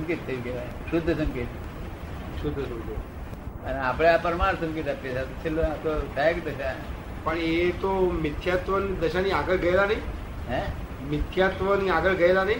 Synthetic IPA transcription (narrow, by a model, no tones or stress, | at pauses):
mkit̪̚ːeɡe | ɕud̪ʱːəsəmkit̪ | ʃud̪ʱːəsəmkit̪ | ənapɽeapəɾmaɾsəmkit̪apesat̪ot͡ʃʰelːot̪osʰɛkd̪əɕa | pəɳet̪omɪt̪ʰjat̪ʋənid̪əɕaniaɡəɭɡəjlanəi | ɦɛ̃ | mɪt̪ʰjat̪ʋəniaɡəɭɡəjelanəɦi